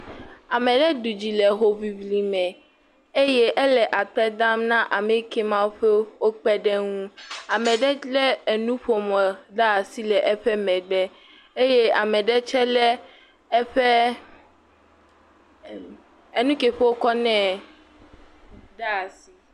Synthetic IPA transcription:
a˨mɛ̃˨ɖɛ˦du˨d͡ʑi˨lɛ˨ɦo˦vi˨vli˨mɛ̃˨ | e˦je˦ʔɛ˦lɛ˨ʔa˨tɛ˦d̪a˦mnã˦ʔa˨me˨ke˦mã˦wo˦ɸe˦wo˦k͡pɛ˦ɖɛ˦ŋũ˦a˨mɛ̃˨ɖɛ˦lɛ˦e˨nũ˦ɸo˨mɔ̃˨ɖa˦˨si˦lɛ˨ʔɛ˦ɸɛ˦mɛ̃˨ɖɛ˦ | e˦je˦a˨mɛ̃˨ɖɛ˦t͡ʃɛ˦lɛ˦ | ɛ˦ɸɛ˦ | e˦nũ˦ke˨ɸe˦wo˦kɔ˦nɛ̃˦ | ɖa˦˨si˨˦

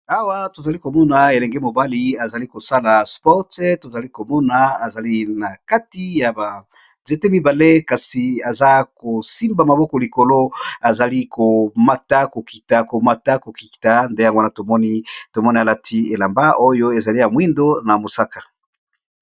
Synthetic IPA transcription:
a˦wa˦to˨za˨li˦ko˨mɔ˦na˨e˨lɛ˨ŋɡe˦mo˨ba˦li˦a˨za˨li˦ko˨sa˦la˨spɔ˦ʁtto˨za˨li˦ko˨mɔ˦na˨a˨za˨li˦na˨ka˦ti˦ja˨ba˨ | nze˦te˦mi˦ba˨le˦ka˨si˨a˨za˦ko˨si˦mba˨ma˨bɔ˦kɔ˨li˨ko˨lo˦a˨za˨li˦kʰo˨ma˨ta˦ko˨ki˨ta˨ko˨ma˨ta˦ko˨ki̥˨ta˦nde˦ja˦ŋɡwna˨to˨mɔ˦ni˦to˨mɔ˦ni˦a˨la˦tʰi˦e˨la˨mba˦o˦jo˦e˨za˨li˦ja˨mwi˦ndo˦na˨mo˨sa˦kḁ˨

